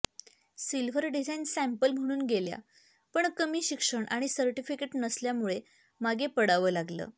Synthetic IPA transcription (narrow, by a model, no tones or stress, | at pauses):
silʋʱəɾɖid͡zajnsæ̃mpəlm̤əɽ̃uːnɡelja̰ | pəɳkəmiːɕikʂəɳʔaɽ̃isəɾʈifikeʈnəsljamuɭe | maɡʱepəɽaʋəːlaɡlə̰ː